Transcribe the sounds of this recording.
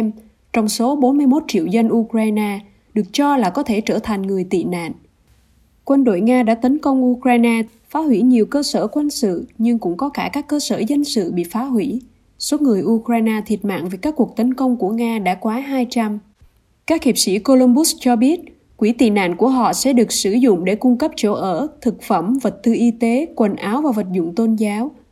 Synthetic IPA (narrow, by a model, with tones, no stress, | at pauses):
m | t͡ɕɔ˧wŋ͡mso˨˦ɓo˨˦nmɨ˧əjmo˦˥t̚t͡ɕḭ˧˨əwzə˧nʔu˧kɾaː˧jnaː˧ | ɗɨ˨˩ək̚t͡ɕɔ˧laː˨˩kɔ˨˦t̪ʰe˧˩t͡ɕəː˧˩t̪ʰa˨˩ŋ̟ŋɨ˨˩əjt̪ḭ˧˨na̰ː˧˨n | kwə˧nɗo̰˧˨jŋaː˧ɗa̰ː˧˥t̪ə˨˦nkə˧wŋ͡mʔu˧kɾaː˧jnaː˧ | faː˨˦hwi˧˩ɲi˨˩əwkəː˧səː˧˩kwa˧nsɨ̰˧˨ɲɨ˧ŋkʊ̰˧˥ŋ͡mkɔ˨˦kaː˧˩kaː˦˥kːəː˧səː˧˩zə˧nsɨ̰˧˨ɓḭ˧˨faː˨˦ɦwi˧˩ | so˨˦ŋɨ˨˩əjʔu˧kɾaː˧jnaː˧t̪ʰi˨˩ət̚ma̰ː˧˨ŋvə˨˩kaː˦˥kːu˨˩ək̚t̪ə˨˦nkə˧wŋ͡mku˧˩əŋaː˧ɗa̰ː˧˥kwaː˨˦ɦaː˧jt͡ɕa˧m | kaː˦˥k̚hi˨˩p̚sḭ˧˥ko˧lu˧mɓʊ˦˥s̚t͡ɕɔ˧ɓi˦˥ət̚ | kwi˧˩t̪i˨˩na̰ː˧˨nku˧˩əɦɔ̰˧˨sɛ̰˧˥ɗɨ˨˩ək̚sɨ˧˩zʊ̰˧˨ŋ͡mɗe˧˩kʊ˧ŋ͡mkə˦˥p̚t͡ɕo˧˩ʔəː˧˩t̪ʰɨ˨˩k̚fə˧˩mvə˨˩t̚t̪ɨ˧ʔi˧t̪e˨˦kwə˨˩nʔaː˨˦wvaː˨˩və˨˩t̚zʊ̰˧˨ŋ͡mt̪o˧nzaː˨˦w